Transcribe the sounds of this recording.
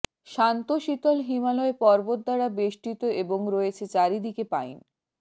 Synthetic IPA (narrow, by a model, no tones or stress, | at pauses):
ʃant̪oʃit̪olɦimalɔepɔɾbot̪̚d̪aɾabeʃʈit̪oeboŋɾoet͡ɕʰet͡ɕaɾid̪ikepajn